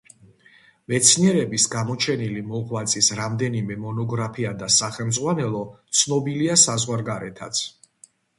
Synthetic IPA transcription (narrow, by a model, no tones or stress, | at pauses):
vɛt̪sʰniɛɾɛbisɡamɔt͡ʃʰɛnilimɔʁwat̪sʼisɾamd̪ɛnimɛmɔnɔɡɾapʰiad̪asaχɛlmd̪zʁwanɛlˠɔt̪sʰnɔbiliasazʁwaɾɡaɾɛt̪ʰa̰t̪sʰ